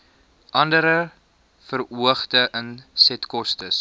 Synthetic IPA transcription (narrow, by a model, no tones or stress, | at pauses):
ʔɐndəɾə | fəruəχtəʔənsɛtkɔstəs